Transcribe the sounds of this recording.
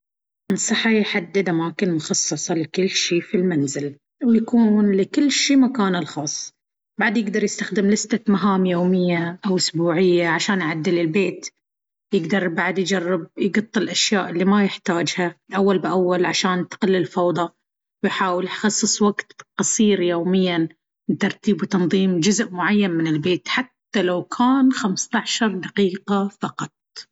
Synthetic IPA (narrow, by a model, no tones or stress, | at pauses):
nsˤɨħajħad̪ːɪd̪ʔamaːkɪnmʊxɑsˤːɨsˤɑlɪkɪlːʃiːfilmanzɪl | wjakuːnlɪkɪlːʃiːmakaːnɪlxɑːsˤ | baʕad̪jɪɡd̪ɑɾˤjɪst̪axd̪ɪmlɪst̪amaɦaːmjoːmɪjːaʔawʔʊsbuːʕɪjːaʕaʃaːnjʕad̪ːɪlɪlbeːt̪ | jɪɡd̪ɑɾˤbaʕad̪jd͡ʒarːɪb̚jɡɑt̪ˤːɨlʔaʃjaːʔɪlːimajɪħt̪aːd͡ʒhalʔawːalbɪʔawːalʕaʃaːnt̪qɪlːɪlfɑwd̪ˤɑ | wjħaːwɪljxɑsˤːɨsˤwaɡt̪qɑsˤiːɾjoːmɪjːan | t̪ɑɾˤt̪iːbwt̪ɑnðˤiːmd͡ʒʊzʔmʊʕajːanmɪnɪlbeːt̪ħat̪ːalawkʰaːnxamst̪ɑʕʃɑɾˤd̪aqiːqafɑqɑt̪̚ˤ